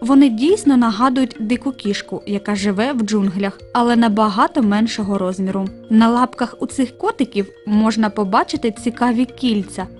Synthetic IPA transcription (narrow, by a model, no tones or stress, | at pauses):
ʋɔnɪdʲijsʲnɔnɐɦɑd̪ʊjʊtʲd̪ɪkʊkʲiʃkʊjɐkɑʒɪʋɛwd͡ʒunɦlʲɐxɐlˠɛnɐbɐɦɑt̪ɔmɛnʃɔɦɔɾɔzʲmʲiɾʊnɐlˠɑpkɐxut̪sɪxkɔt̪ɪkʲiw | mɔʒnɐpɔbɑt͡ʃɪt̪ɪt͡sʲikɑʋʲikʲilʲt͡sʲɐ